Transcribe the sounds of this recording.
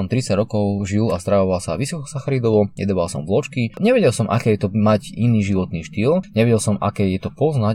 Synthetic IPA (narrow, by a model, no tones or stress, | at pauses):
ɔmt̪ɾit͡saɟɾɔkɔʊʒilast̪ɾaʋɔʋalsaʋisɔkɔ̥saxaɾid̪ɔʋɔɛ̰d̪ɔʋalsɔ̰mvlɔt͡ʃkiɲɛʋɛɟɛlˠsɔmʔa̰kɛːjɛt̪ɔmaɟiniːʒiʋɔt̪niːʃt̪iːlɲɛʋɛɟɛlsɔma̰kɛːjɛt̪ɔpɔzna